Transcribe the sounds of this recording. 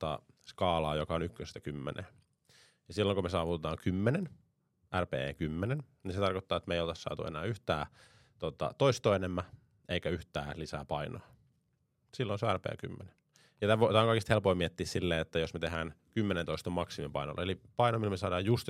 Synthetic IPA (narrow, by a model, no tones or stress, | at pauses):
t̪ɑ̰skɑːlɑːjokɑonykːøsest̪ækymːḛnʔḛː | jɑsilːoŋkumesɑːʋut̪et̪ɑːŋkymːenen | ʔærpḛːḛːkymːenenniset̪ɑrkot̪ːɑːet̪meijolt̪ɑssɑ̰ːt̪ṵḛnæ̰ːyht̪æː | t̪ot̪ɑ̰t̪oist̪oːenemːæ | ʔeikæyht̪æ̰ːlisæ̰ːpɑino̰ː | silːonseærpḛːky̰mːene | jɑt̪æʋot̪æːoŋkɑikist̪helpoimiet̪ːiːssilːeːet̪ːæjosmet̪eɦæːnkymːenẽnt̪oist̪omɑksimipɑino̰lːʔeelipɑinomilmesɑːdɑːjjust̪